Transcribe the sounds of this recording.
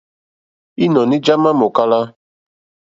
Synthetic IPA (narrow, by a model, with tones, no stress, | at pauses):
i˦nɔ˨ni˦d͡ʒa˦ma˦mo˨ka˦la˦